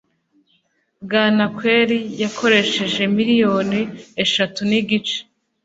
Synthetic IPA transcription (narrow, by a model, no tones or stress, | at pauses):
ɡaːnakwe̞ːɾijakʰo̞ɾe̞ʃe̞ʒe̞miɾijo̞ːnieʃatuniɡit͡ʃe̥